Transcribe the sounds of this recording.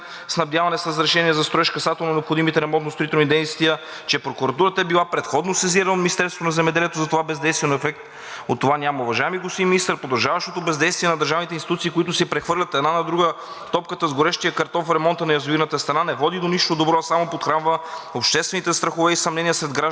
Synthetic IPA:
snɐbd̪ʲjavɐnɛsɾəzɾɛʃɛniɛzɐst̪ɾoɛʃkɐsat̪ɛlˠnonɛopxod̪imit̪ɛɾɛmɔnt̪nost̪ɾoit̪ɛlˠnid̪ɛjst̪vijə | t͡ʃɛpɾokuɾɐt̪uɾət̪əɛbilˠapɾɛt̪xɔd̪nosɛziɾɐnminist̪ɛɾst̪vonɐzɛmɛd̪ɛliɛt̪ozɐt̪ovabɛzd̪ɛjst̪viɛnoɛfɛk̚t̪ | ot̪ːovanʲamɐʊvɐʒaɛmiɡost̪imminist̪əɾpɾod̪ɐʒavɐʃt̪ot̪obɛzd̪ɛjst̪viɛnɐd̪əɾʒavnit̪ɛinsit̪ut̪siːkʊit̪ʊsɛpɾɛxvɤɾlʲɐt̪ɛd̪nanɐd̪ɾuɡə | t̪ɔpkət̪əzɡoɾɛʃt̪ijəkɐɾt̪ɔfɾɛmɔnt̪ənɐjɐzoinət̪əst̪ɾɐnanɛvɔd̪id̪oniʃt̪od̪obɾɔsamopot̪xɾanvəopʃt̪ɛst̪vɛnit̪ɛst̪ɾɐxovɛisɐmnɛniəsɾɛd̪ɡɾaʒ

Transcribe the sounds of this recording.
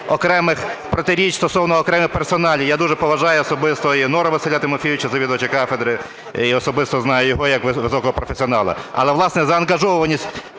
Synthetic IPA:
ɔkɾɛmɪxpɾɔt̪ɪɾʲit͡ʃst̪ɔsɔwnɔːkɾɛmɪxpersɔnɑlʲijad̪uʒɛpɔʋɐʒɑjʊɔsɔbɪst̪ɔinɔɾɐʋɪselʲat̪ɪmɔfʲijʊt͡ʃɛzɐʋʲid̪ɐt͡ʃɪkɑfed̪ɾɪ | iɔsɔbɪst̪ɔznɑjʊjɔɦɔjɐkʋɪʋɪsɔkɔɦɔpɾɔfʲesʲiɔnɑlˠɐ̰ɐ̰lˠɛʋlˠɑsnɛzɐɐnɡɐʒɔʋɔʋɐnʲisʲtʲ

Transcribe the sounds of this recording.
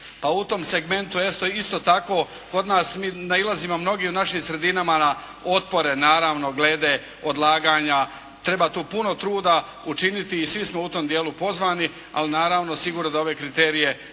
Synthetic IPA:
paut̪omseɡme̞nt̪ujest̪oist̪oːt̪ako̞ː | ko̞d̪naːsmiːnailˠaziːmo̞mno̞ɡiunaʃimsɾe̞d̪inamana | o̞t̪̚po̞ɾe̞naːɾaʋno̞ɡleːd̪e | o̞d̪lˠaːɡaːɲa | t̪ɾe̞baːt̪uːpuno̞t̪ɾuːd̪a | ut͡ʃinit̪iːsʋismo̞ut̪o̞ːmd̪je̞ːlupo̞zʋaːni | a̰linaːɾaʋno̞siɡuːɾnod̪ao̞ʋe̞kɾit̪e̞ːɾije̞

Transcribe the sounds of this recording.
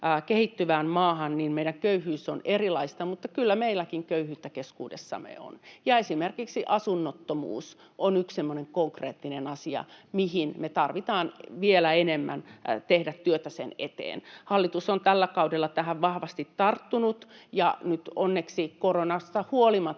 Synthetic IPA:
kehit̪ːyʋæːmmɑːhɑnninmeiɾæŋkøyhyːsonerilɑist̪ɑmut̪ːɑkylːæmeilːˑækiŋkøyhyːt̪ːækeskṵːdḛsːɑ̰mḛo̰njɑesimerkiksiʔɑsunːot̪ːomṵːs | ʔonykssemːoneŋkoŋkrḛːt̪ːinenɑsiɑ̰mihinmet̪ɑrʋit̪ɑːnʋielæenemːæ̰nt̪ehdæt̪tyøt̪æsḛnḛt̪ḛːnhɑlːit̪usont̪ælːækɑudelːɑt̪æhæʋʋɑhʋɑst̪it̪tɑrt̪ːunut̪jɑnyt̪onːeksikoronɑst̪ɑhuolimɑ

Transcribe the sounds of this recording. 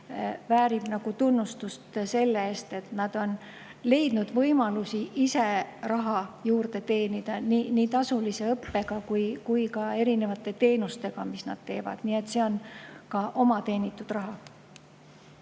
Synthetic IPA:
væːɾib̥nɑɡ̥ut̪unːust̪ust̪se̞lːeeːst̪e̞t̪nɑd̪̥o̞n | le̞jd̪nud̪̥vɤjmɑlusiʔise̞rɑɦɑjuːrd̪̥e̞t̪e̞ːnid̪̥ɑniːniːt̪ɑsulise̞ɤpːe̞ɡ̥ɑkujkujkɑe̞ɾine̞vɑt̪ːˑe̞t̪e̞ːnust̪e̞ɡ̥ɑmisnɑ̰d̪̥t̪e̞ːvɑ̰d̪̥niːe̞t̪se̞o̞nkɑʔo̞mɑt̪e̞ːnit̪ːˑud̪̥rɑɦɑ

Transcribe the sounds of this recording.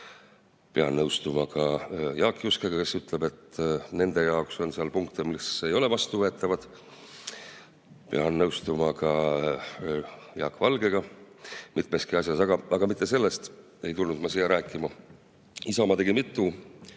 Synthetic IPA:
peɑ̰nnːɤwst̪umɑkɑjɑːkːˑjuskeɡ̥ɑke̞syt̪ˑle̞be̞t̪ːne̞nd̪̥e̞jɑo̞kso̞nseɑlpuŋkt̪emise̞jo̞le̞vɑst̪uvɤ̞e̞t̪ːˑɑvɑd̪̥ | peɑnːɤwst̪umɑkɑ | jɑ̰ːkːˑvɑlɡe̞ɡ̥ɑ | mit̪̚ˑme̞skiɑsjɑsɑɡ̥ɑɑɡ̥ɑmit̪ːˑe̞se̞lːe̞st̪ | e̞jt̪ulnud̪mɑsijɑɾæːkːˑimɑ | isɑmɑt̪e̞ɡimit̪ˑːu

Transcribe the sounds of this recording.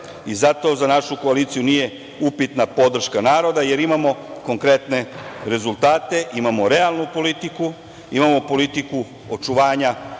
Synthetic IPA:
izat̪o̞ːzanaʃuko̞alit̪sijunije̞ | upit̪napo̞d̪r̩ʃkanaːɾo̞d̪aje̞ɾimamo̞ko̞ŋkɾe̞t̪ne̞ɾe̞zulˠt̪aːt̪e̞ʔimamo̞ɾe̞alˠnupo̞lit̪iku | imamo̞po̞lit̪iku | o̞t͡ʃuʋaːɲa

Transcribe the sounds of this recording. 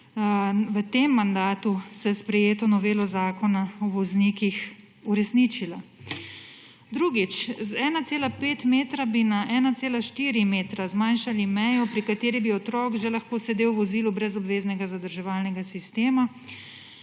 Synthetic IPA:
ʋət̪emːand̪aːt̪usɛspɾɛjeːt̪ɔnɔʋeːlɔzaːkɔnaɔʋɔzniːkix | uɾɛsnit͡ʃila | d̪ɾuːɡit͡ʃzɛːnat̪seːlapeːt̪meːt̪ɾabinaʔɛːnat̪seːlaʃt̪iːɾimeːt̪ɾazmanʃalimɛjɔpɾikat̪eːɾibiɔt̪ɾɔːkʒɛlaxkoːsɛd̪ewʋɔziːlubɾɛzɔbʋeːznɛɡazad̪əɾʒɛʋaːlnɛɡasist̪eːma

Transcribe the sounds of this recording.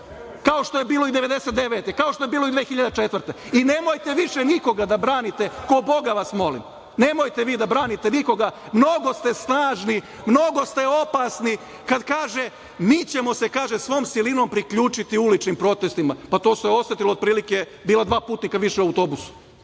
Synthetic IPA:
kao̞ʃt̪o̞jebiːlˠo̞id̪e̞ʋe̞d̪eset̪d̪eʋet̪ekaoʃt̪o̞jebiːlo̞id̪ʋeːxiʎad̪et͡ʃet̪ʋrt̪eine̞mo̞jt̪e̞ʋiʃeniko̞ɡad̪abɾaːnit̪e̞kobo̞ɡaʋasmo̞lḭm | ne̞mo̞jt̪eʋiːd̪abɾaːnit̪eniko̞ɡa | mno̞ɡo̞st̪e̞snaːʒni | mno̞ɡo̞st̪e̞o̞pasni | kad̪kaːʒe̞ | miːt͡ɕe̞mo̞se̞kaːʒesʋo̞ːmsilino̞ːmpɾikʎuːt͡ʃit̪iulit͡ʃnimpɾo̞t̪est̪imapat̪o̞ːseo̞sʋet̪iloːd̪̚pɾiːlike | biːlad̪ʋaːpuːt̪nikaʋiʃeuawt̪o̞busu̥

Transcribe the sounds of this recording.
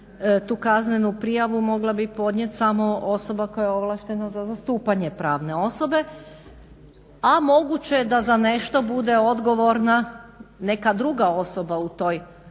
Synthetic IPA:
t̪uːkaznenupɾijaʋumo̞ɡlˠabipo̞d̪ɲʲjet̪ʲsamo̞o̞so̞bakojaeo̞ʋlˠaʃt̪e̞nazazast̪uːpaɲepɾaːʋne̞o̞so̞be̞ | amo̞ɡut͡ɕed̪azaneʃt̪o̞bud̪e̞o̞d̪ɡo̞ʋo̞ɾnane̞kad̪ɾuɡao̞so̞baut̪o̞ːj

